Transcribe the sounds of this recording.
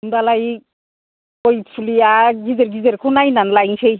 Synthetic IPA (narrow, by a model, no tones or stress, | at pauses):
undalaj | kojpʰulijaɡizeɾɡizeɾkʰunajnanlajŋsej